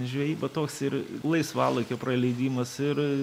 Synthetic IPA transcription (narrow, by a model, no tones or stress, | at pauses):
ʒʲʋʲɛjiːbɐt̪oːksɪɾlˠɐɪsʋɑːlˠɐɪkʲopɾɐlʲɛɪd̪ʲiːmɐsɪɾ